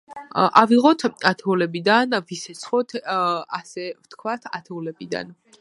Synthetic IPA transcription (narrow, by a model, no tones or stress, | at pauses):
ʔaviʁɔt̪ʰat̪ʰɛulɛbid̪anvisɛt̪sʰχɔt̪ʰasɛft̪ʰkʰwat̪ʰa̰t̪ʰɛulɛbid̪a̰n